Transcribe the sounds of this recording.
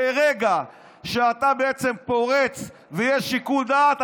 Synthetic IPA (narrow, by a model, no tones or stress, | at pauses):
eʁeɡa | ʃeat̪abeet͡se̞mpo̞ʁet͡s | vejeʃikuld̪aːt̪